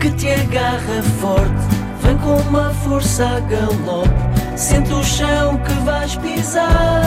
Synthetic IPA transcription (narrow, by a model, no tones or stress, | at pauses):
kɨt̪ɐɣaʁɐfɔɾt̪ɨ | vɐ̃j̃kõumɐfuɾsaɣɐlˠɔku | sẽnt̪uʃɐ̃w̃kɨvajʃpiza